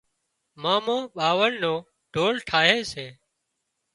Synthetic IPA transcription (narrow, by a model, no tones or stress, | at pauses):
maːmõːɓaːʋəɳnõː | ɖ̥ʱoːlʈʰaːɦeːseː